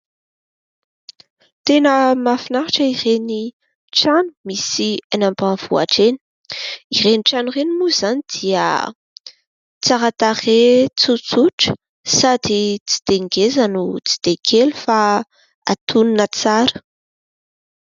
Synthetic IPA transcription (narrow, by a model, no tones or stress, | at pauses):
t̪enəmafinaɦaʈ͡ʂəireni | ʈ͡ʂanu̥misianambanv̥ua̰ʈ͡ʂeni̥ | ireniʈ͡ʂanurenimuz̥anid̪̥iə̰ | t͡saɾat̪aχet͡sut͡suʈ͡ʂə̥ | sad̪it͡si̥d̪̥eŋɡezanut͡si̥d̪̥ekʰelufa | at̪uninət͡saɾə̥